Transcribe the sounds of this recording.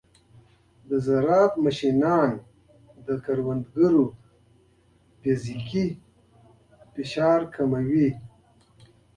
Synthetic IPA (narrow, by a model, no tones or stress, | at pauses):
d̪əzaɾɑːfmaʃinɑːn | d̪əkaɾwand̪ɡəɾu | fiziki | fiʃɑːɾkʰamawi